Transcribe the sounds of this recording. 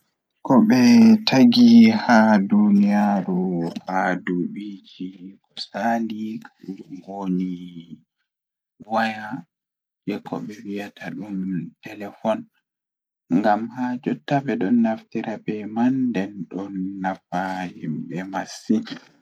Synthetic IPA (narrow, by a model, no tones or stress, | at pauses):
kɔɓɛtʰaɡihadunijaɾuhaduɓid͡ʒikɔsandikaɗhoni | waja | d͡ʒɛkʰɔ̰ɓɛwijatʰaɗumtɛlɛfɔn | ŋɡamhad͡ʒɔtːabɛɗɔnːaftiɾʔabɛmandɛnɗɔnːafahimɓɛmasːi